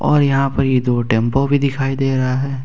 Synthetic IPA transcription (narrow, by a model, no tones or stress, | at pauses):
ɔːɾjɐɦãpɐɾjed̪oːʈɛ̃ːmpobʱid̪ɪkʰaːid̪eːɾɐɦaɦɛː